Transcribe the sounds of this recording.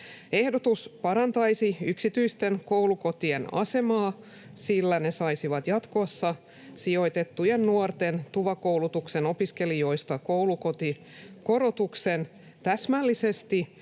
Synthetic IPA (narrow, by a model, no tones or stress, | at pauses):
e̞hdot̪uspɑɾɑnt̪ɑjsiyksit̪yist̪e̞nkowluko̞t̪ie̞nɑ̰se̞mɑː | silːæne̞sɑisiʋɑt̪jɑt̪ko̞sːɑ | sio̞jt̪et̪ːujenːuort̪e̞nt̪uʋɑkowlut̪ukse̞no̞piske̞lijo̞jst̪ɑkouluko̞t̪i | ko̞ɾo̞t̪ukse̞n | t̪æsmælːise̞st̪i